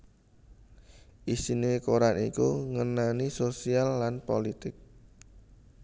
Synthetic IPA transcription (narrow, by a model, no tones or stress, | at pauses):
ʔisinekoɾanikuŋənanisosialːanpolit̪ɪk̚